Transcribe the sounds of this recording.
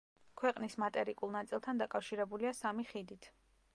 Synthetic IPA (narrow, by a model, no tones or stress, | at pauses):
kʰwɛqʼnismat̪ʼɛɾikʼulˠnat̪sʼilˠt̪ʰand̪akʼafʃiɾɛbuliasamiχid̪it̪ʰ